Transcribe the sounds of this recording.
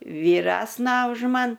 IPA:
ʋʲiːˈrʲæːsnɐ ʊʃ ˈmɐn

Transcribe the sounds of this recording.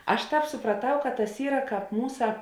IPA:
ˈɐʃ ˈtɑːp sʊprɐˈtɐʊ kɐt tɐs ˈiːrɐ ˈkɑːp ˈmuːsɐ

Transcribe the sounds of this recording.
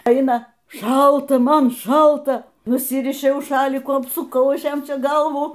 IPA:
ˈɛɪnɐ ˈʃɐlˠtɐ ˈmɐn ˈʃɐlˠtɐ nʊˈsʲɪrʲɪʃʲɛʊ ˈʃɑːlʲɪkuː ɐpsʊˈkɐʊ ˈɐʃ ˈjɛm ˈt͡ʃʲɛ ˈɡɐlˠʋuː

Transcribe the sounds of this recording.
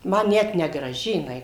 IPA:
ˈmɐ ˈnʲɛt nʲɛɡrɐˈʒʲɪ jɪˈnɐɪ

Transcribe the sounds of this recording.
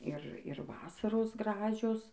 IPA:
ˈɪr ˈɪr ˈʋɑːsɐroːs ˈɡrɑːʒʲoːs

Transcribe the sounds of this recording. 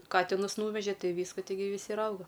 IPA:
ˈkɑːtʲɪnʊs ˈnuːʋʲɛʒʲɛ ˈtɐɪ ˈʋʲiːskɐ ˈtʲɪɡʲɪ ʋʲɪˈsʲɪ ɪr ˈɐʊɡɐ

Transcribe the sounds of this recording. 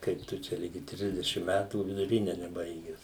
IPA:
ˈkɐɪp tʊ ˈt͡ʃʲɛ ˈlʲɪɡʲɪ ˈtʲrʲɪzʲdʲɛʃʲɪm ˈmʲætuː ʋʲɪdʊˈrʲɪnʲɛ nʲɛˈbɐɪɡʲɛs

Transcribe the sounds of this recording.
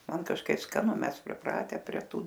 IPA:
ˈmɐn kɐʃˈkɐɪp skɐˈnʊ ˈmʲɛs pʲrʲɪˈprɑːtʲɛ pʲrʲiɛ ˈtuː

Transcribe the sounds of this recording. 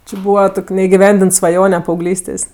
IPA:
t͡ʃʲɪ ˈbuːʋɐ ˈtoːkʲ nʲɛɪɡʲɪˈʋʲɛnʲdʲɪnt sʋɐˈjoːnʲɛ pɐɐʊˈɡlʲiːsʲtʲeːsʲ

